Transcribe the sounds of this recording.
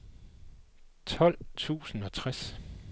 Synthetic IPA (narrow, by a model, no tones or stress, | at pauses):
t͡sʰɒ̽l̰t͡sʰṵːsn̩ɒ̽t͡sʰʁas